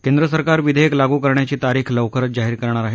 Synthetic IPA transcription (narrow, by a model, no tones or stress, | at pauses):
kend̪ɾəsəɾkaɾʋid̪ʱeeklaɡuːkəɾɳjat͡ɕiːt̪aɾiːkʰləʋkʰəɾət̪̚d͡ʑaɦiːɾkəɾɳ̃aɾaɦe